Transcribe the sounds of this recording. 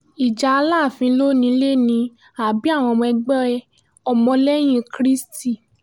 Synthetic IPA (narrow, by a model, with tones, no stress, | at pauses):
i˨d͡ʒa˧a˧laː˦˨fĩ˧˦lo˦nĩ˧˦le˦nĩ˧˦ | a˨bi˨˦a˦˨w̃ɔ̃˧mɔ̃˧ɛ˧ɡ͡bɛ˦˧ | ɔ˧mɔ̃˧lɛ˦j̃ĩ˧kɾi˦sti˦˨